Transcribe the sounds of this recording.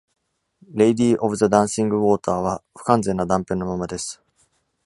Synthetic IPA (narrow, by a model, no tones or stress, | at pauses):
ɾe̞id̪iːʔobɯ̟zad̪ãɰ̃sĩŋɡɯ̟βo̞ːt̪aːβ̞aɸɯ̟̥kãnzẽ̞nːad̪ãmpẽ̞no̞mamad̪e̞sɨ̥